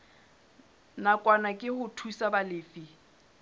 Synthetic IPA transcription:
nakʼwanakʼɪhʊtʰusabalɪːfi

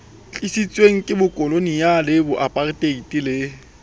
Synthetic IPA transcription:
t͡ɬʼɪsit͡sʼweŋ̩kʼɪbʊkʼɔlonijalɪbʊʔapʼarɪtʼeitʼilɪ

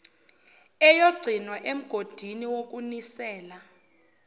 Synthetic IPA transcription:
ɛjoɡ͡ǀʱinwaʔem̩ɡ̥ʱod̥ʱiniwok̬ʼunisɛːla

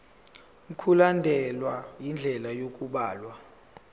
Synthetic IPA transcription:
ŋ̩kʰulandʱɛlwajind͡ɮʱɛlajok̬ʼuɓaːlwa

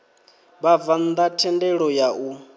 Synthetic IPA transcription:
βavand̪atʰɛndɛɺɔjaʔu

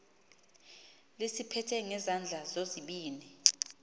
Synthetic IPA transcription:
lisipʰɛtʰɛŋɛzand͡ɮʱazoziɓiːni

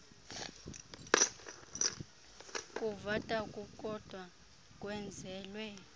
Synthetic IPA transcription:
kʼuvatʼakʼukʼɔd̥ʱwa | kʼwɛnd͡zʱɛːlwɛ

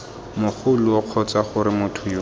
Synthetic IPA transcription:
mʊχʰʊlʊɔq͡χʰɔt͡saχʊɾɪmʊtʰʊjo

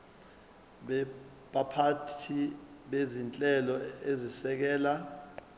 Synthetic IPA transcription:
ɓ | ɓapʰatʰiɓezint͡ɬʼɛlɔezisɛk̬ɛːla

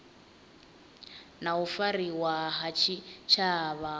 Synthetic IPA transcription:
naufariwaɦat͡ʃʰit͡ʃʰaːβa

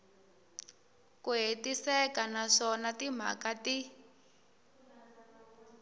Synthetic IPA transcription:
kuɦetisɛkanaʂɔnatim̤a̰kati

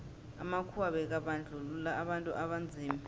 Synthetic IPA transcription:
a̰makʰuaɓɛk̬aɓand͡ɮʱululaːɓantʼṵʔaɓand͡zʱiːmi

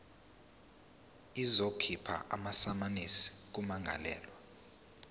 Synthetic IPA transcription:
izokʰipʰa̰ʔa̰masamanisi̥k̬umaŋɡʱa̰lɛ̰ːlwa

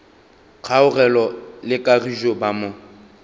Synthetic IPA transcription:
q͡χʰaʊrɛlɔlɪkʼariʒobamʊ

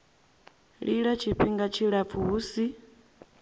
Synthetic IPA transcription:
ɺiɺat͡ʃʰiɸʰiŋɡat͡ʃʰiɺap̪fuːsi

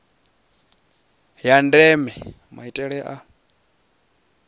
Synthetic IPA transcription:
jandɛmɛ | maitʼɛɺɛʔa

